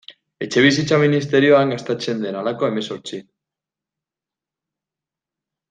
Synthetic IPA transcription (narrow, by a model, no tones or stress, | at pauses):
e̞t͡ʃe̞β̞is̬it͡saminist̪e̞ɾio̞aŋɡast̪et͡se̞nd̪e̞nalakoe̞me̞so̞ɾt͡si